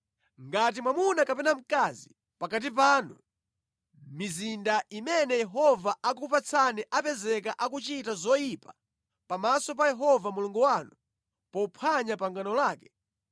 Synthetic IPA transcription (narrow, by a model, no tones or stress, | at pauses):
ŋɡat̬imwamunakapɛnam̩kazi | pakat̬ip̬aːnu | mizindaʔimɛnɛjɛɦɔvaʔak̬upat͡sʰaniʔapɛzɛk̬aʔakut͡ʃitazɔjipa | pamasɔp̬ajɛɦɔvamuluŋɡuwaːnu | pɔupʰaɲapaŋɡanɔlaːkɛ̥